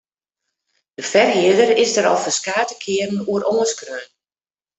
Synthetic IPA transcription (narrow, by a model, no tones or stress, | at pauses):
dəfɛrɦɪədərɪzdəɾɔ̰lˠfərskaːtəkʰɪərn̩uəɾoŋəskrøːn